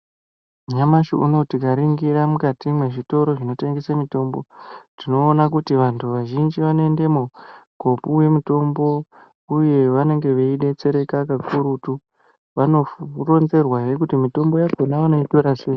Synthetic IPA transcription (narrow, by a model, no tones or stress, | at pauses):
ɲamaʃoṵno̞tikaɾiŋɡiɾamukatimwe̞ʐito̞ɾo̞ʐino̞te̞ŋɡe̞semito̞ːmbo̞tino̞ːnak̬utiʋantʰuʋaʒind͡ʒiʋanoe̞nde̞muɡʱo̞puwe̞muto̞mbo̞ | uje̞ʋane̞ŋɡe̞ʋeiɗe̞t͡se̞ɾe̞kakakuɾutu | ʋano̞ro̞nze̞rwajek̬utimito̞mbojaɡʱonaanoitoɾase